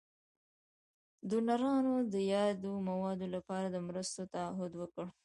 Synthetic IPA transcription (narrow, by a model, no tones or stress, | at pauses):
d̪unaɾɑnod̪əjɑd̪omawɑd̪olapɑɾad̪əmɾəst̪ot̪aaɦʊd̪wəkəɽ